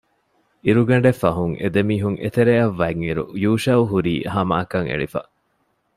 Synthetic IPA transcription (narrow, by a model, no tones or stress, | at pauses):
iɾuɡɐɳ̆ɖefːɐɦuŋʔḛd̪emiːɦuŋʔḛt̪eɾeɐʋːæŋːiɾṵjuːʃɐuɦuɾiːhɐma̰ːkɐŋḛɭifɐ̰ʔ